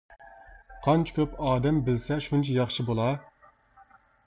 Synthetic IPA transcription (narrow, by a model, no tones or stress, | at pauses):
qʰɑnt͡ʃʰi̥kʲʰøpɑːd̪ɛmbɪlsɛʃunt͡ʃʰɛjɑχʃɨbolˠɑ